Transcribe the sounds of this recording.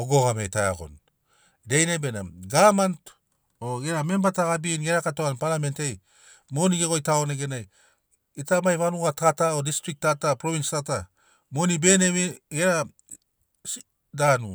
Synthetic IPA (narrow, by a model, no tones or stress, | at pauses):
oɡo̞ɡamejtaja̰ɡo̞̰n | dejnebenaɡamant | oɡeɾame̞mbataɣabinɡeɾakatoanpalame̞ntej | mo̞niɡe̞ɡo̞jtaoneɡe̞naj | itamajβanuɡatatao̞distɾik̚tatapɾoβinstata | monibe̞neβiɡeɾa | s | danu